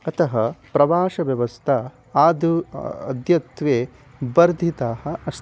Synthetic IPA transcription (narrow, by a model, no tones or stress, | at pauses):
ɐt̪ɐɦɐpɾɐʋaːʃɐʋjɐʋɐst̪ʰɐ | aːd̪uɐ̰d̪jɐt̪ʋeː | bɐɾd̪ʱit̪aːɦɐɐst̪